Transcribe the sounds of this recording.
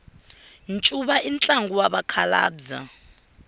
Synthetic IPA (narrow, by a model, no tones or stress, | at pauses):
nt͡ʃʼuɓaint͡ɬʼaŋɡuwaɓakʰala̰ːbza̰